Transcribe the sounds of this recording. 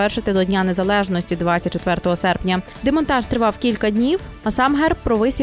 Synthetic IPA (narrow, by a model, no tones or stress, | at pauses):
ɛrʃɪt̪ɪd̪ɔdʲnʲane̞zɐlˠɛʒnɔsʲtʲid̪ʋɑt͡sʲɐt̚ʲt͡ʃɔt̪ʋɛrt̪ɔɦɔsɛrpnʲɐ | d̪emɔnt̪ɑʃt̪ɾɪʋɑwkʲilʲkɐdʲnʲiw | ɐsɑmɦɛrpːɾɔʋɪsʲ